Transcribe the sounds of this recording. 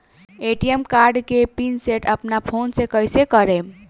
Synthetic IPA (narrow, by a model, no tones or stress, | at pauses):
eʈiemkaɾɖkepinseʈəpnapʰonsekəjsekəɾem